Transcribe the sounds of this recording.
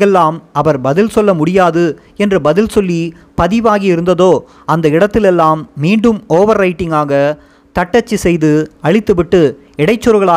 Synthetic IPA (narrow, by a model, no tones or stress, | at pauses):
ɛlːaːmɐʋɐɾbɐðɪlsɔlːɐmʊɽɪjaːðɯ | ɛndrɯbɐðɪlsɔlːi | pɐðɪʋaːɣiɪɾɯnd̪ɐðoː | ɐnd̪ɐɪɽɐt̪ːɪlɛlːaːmːiːɳɖɯmoːʋɐɾːɐɪʈːɪŋɡaːɣɐ | t̪ɐʈːɐt͡ʃːisɛjðɯɐɻɪt̪ːɯʋɪʈːɯ | ɪɽɐɪt͡ʃːɯɾɯɣɐɭaː